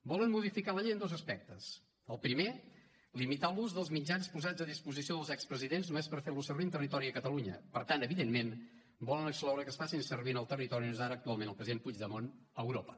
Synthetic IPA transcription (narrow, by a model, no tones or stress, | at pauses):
bɔlənmuðifikaləʎejənd̪ozəspɛk̚t̪əs | əlˠpɾime | limit̪alˠuzðəlˠzmid͡ʒanspuzad͡zəðispuzisioðəlˠzɛkspɾəziðenznumespəɾfeɾlusərβint̪ərit̪ɔɾiəkət̪əluɲə̰pəɾt̪anəβiðenmen | bɔlənəksklɔwɾəkəsfasinsərβinəlˠt̪ərit̪ɔɾiozaɾəːk̚t̪ualˠmenəlˠpɾəziðẽmpud͡ʒðəmon | əwɾopə